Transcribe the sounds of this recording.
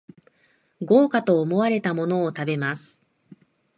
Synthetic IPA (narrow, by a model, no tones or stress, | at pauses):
ɡo̞ːkat̪o̞ːmo̞βaɾe̞t̪amo̞no̞ːt̪abe̞masɨ̥